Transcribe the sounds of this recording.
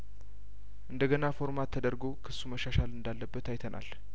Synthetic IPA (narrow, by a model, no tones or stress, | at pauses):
ʔɨnd̪əɡənafo̞ɾmat̪ʰːəd̪əɾɡo̞kʰɨsuməʃaʃalɨnd̪alːəbːət̪ʰajt̪ʰənʔa̰l